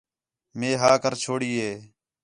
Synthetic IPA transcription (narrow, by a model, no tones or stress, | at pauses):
meːɦaːkəɾt͡ʃʰoːɽiːɦeː